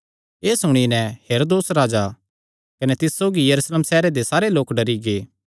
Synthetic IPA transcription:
eːsʊɽ̃inɛ̃heːɾoːd̪oːsɾaːd͡ʒa | kɐnet̪ɪssːoːɡijɐɾuːsleːmsɛːɾed̪esaːɾeloːkɖɐɾiɡeː

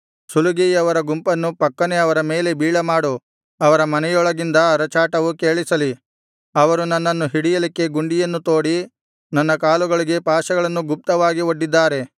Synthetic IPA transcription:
suluɡiɐʋɐɾɐɡumpɐnːupɐkːɐne̞ɐʋɐɾɐme̞ːle̞biːɭɐmaːɽu | ɐʋɐɾɐmɐnɛjɔɭɐɡind̪ɐːɾɐt͡ʃaːʈɐʋukeːɭisɐli | ɐʋɐɾunɐnːɐnːuɦiɽijɐlikːe̞ɡuɳɖijɐnːut̪o̞ːɽi | nɐnːɐkaːluɡɐɭiɡe̞paːʃɐɡɐɭɐnːuɡup̚t̪ɐʋaːɡioɖːid̪ːaːɾe̞

